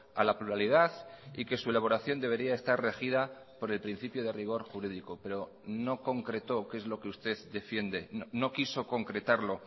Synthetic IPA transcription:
a̰lapluɾaliðaθike̞sue̞laβ̞o̞ɾaθjo̞nd̪e̞β̞e̞ɾiae̞st̪arre̞xið̞a | po̞ɾe̞lpɾin̟θipjoðe̞riɣ̞o̞ɾxuɾiðiko̞pe̞ɾo̞ | no̞ko̞ŋkɾe̞t̪o̞ke̞zlo̞ke̞ust̪e̞ðd̪e̞fje̞nd̪e̞no̞kiso̞ko̞ŋkɾe̞t̪aɾlo̞

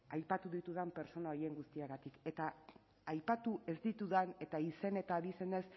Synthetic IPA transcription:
ajpat̪uðit̪uð̞ampe̞ɾt͡so̞nao̞je̞ŋɡust̪iaɣat̪ike̞t̪a | ajpat̪uʔe̞zd̪it̪uðane̞t̪aise̞ne̞t̪aðise̞ne̞s

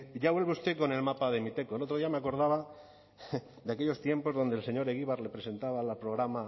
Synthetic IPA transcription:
ʝaβwe̞lβe̞ust̪e̞ko̞ne̞lmapaðe̞mit̪e̞koelo̞t̪ɾðiameako̞ɾð̞aβa | d̪eake̞ʎo̞st̪je̞mpo̞zðo̞nd̪else̞ɲo̞ɾeɣiβaɾle̞pɾe̞se̞nt̪aβalapɾo̞ɣɾama

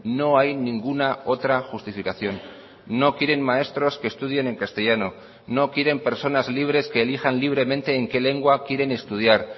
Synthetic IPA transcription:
no̞ajnĩŋɡunao̞t̪ɾaxust̪ifikaθjo̞nː | o̞kjeɾe̞nmae̞st̪ɾo̞ske̞ːst̪uð̞je̞ne̞ŋkast̪e̞ʝano̞ | no̞kje̞ɾe̞mpe̞ɾso̞nazliβ̞ɾe̞ske̞ːlixanliβ̞ɾe̞mẽnt̪e̞ːŋke̞le̞ŋɡwakje̞ɾe̞ne̞st̪uð̞jaɾ

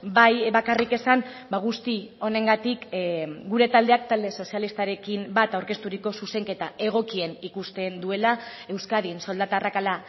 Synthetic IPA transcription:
bajbakarike̞sam | baɣ̞ust̪io̞ne̞ŋɡat̪ikɡuɾe̞t̪ald̪e̞ak̚t̪ald̪e̞so̞sialist̪aɾe̞kimbat̪awɾke̞st̪uɾiko̞suse̞ŋke̞t̪ae̞ɣ̞o̞kie̞nikust̪e̞nd̪ue̞la | e̞wskað̞inso̞ld̪at̪arakala

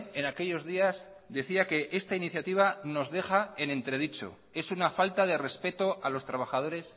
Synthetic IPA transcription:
e̞nake̞ʎo̞zðiaz | d̪e̞θiake̞ʔe̞st̪ainiθjat̪iβ̞ano̞zðe̞xae̞ne̞nt̪ɾeð̞it͡ʃo̞̰ | e̞sunafalt̪að̞e̞re̞spe̞t̪o̞alo̞st̪ɾaβ̞axað̞o̞ɾe̞s

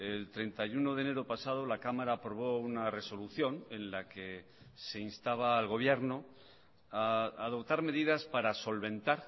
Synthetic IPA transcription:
elt̪ɾe̞nt̪ajuno̞ðe̞ne̞ɾo̞pasað̞o̞lakamaɾaːpɾo̞β̞o̞unare̞so̞luθjo̞ne̞nlake | se̞inst̪aβaːlɣo̞β̞je̞ɾno | aaðo̞pt̪aɾme̞ðiðaspaɾaso̞lβẽ̞nt̪aɾ

